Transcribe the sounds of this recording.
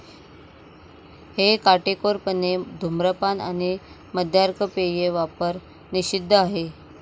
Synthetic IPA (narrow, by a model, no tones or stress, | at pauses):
hekaʈekoɾpəned̪ʱumɾəpana̰ni | məd̪ʱaɾkʰəpejeʋapəɾ | niɕid̪ʱːəaɦe